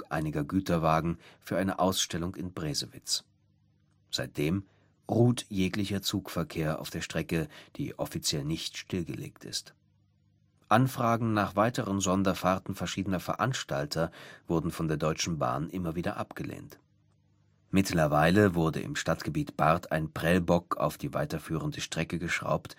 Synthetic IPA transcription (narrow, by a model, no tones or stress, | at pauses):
ʔa̰ɪnɪɡɐɡyːtɐvaːɡŋ̩fyːɐʔaɪnəʔaʊsʃtɛlʊŋɪnbʁeːzəvɪ̰t͡s | z̥aɪt̚d̥eːm | ʁuːtjeːklɪçɐt͡suːkfɛɐkʰeːɐʔa̰ʊfd̥eːɐʃtʁ̥ɛkəd̥ḭːʔɔfit͡sjɛlnɪçtʃtɪlɡəlḛːktɪ̰st | ʔanfʁ̥aːɡŋ̩naːχv̥aɪtəʁənzɔndɐfaʁtn̩fɛɐʃiːdənɐfɛɐʔanʃtaltʰɐvʊɐdn̩fɔndeːɐdɔʏt͡ʃn̩ba̰ːnʔɪmɐviːdɐ̰ʔapɡ̥əlḛːnt | mɪtlɐvaɪləvʊɐdə̰ʔɪ̰mʃtatɡ̥əbiːtb̥aɐtʰa̰ɪnpʁ̥ɛlbɔka̰ʊfd̥iːva̰ɪtɐfyːʁəndəʃtʁ̥ɛkəɡəʃʁ̥a̰ʊpt